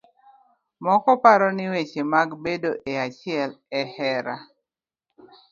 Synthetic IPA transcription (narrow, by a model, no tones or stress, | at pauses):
mɔkɔpaɾɔnɪwet͡ʃemaɡbedoʔeat͡ʃɪɛlɛhɛɾa